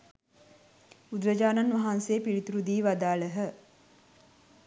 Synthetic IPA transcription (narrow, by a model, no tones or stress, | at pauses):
ud̪ɾəd͡ʒaːnanʋaɦanseːpiɾit̪uɾud̪iːʋad̪aːləɦə